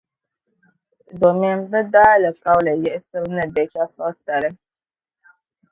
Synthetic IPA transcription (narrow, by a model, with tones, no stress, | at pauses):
do˨m˦ɛ˦nbɨ˦daː˦lɨ˨ka˦wlɨ˨jɛ˦ʔɪ˦sɨ˦ɾɨ˦nɨ˦bɛ˨t͡ʃa˦sɔ˦ta˨lɨ˦